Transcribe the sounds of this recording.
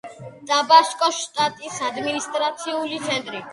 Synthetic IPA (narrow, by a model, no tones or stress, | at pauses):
d̪̥abaʃkʼɔʃt̪ʼat̪ʼisad̪minist̪ʼɾat̪sʰiulit̪sʰɛnt̪ʼɾi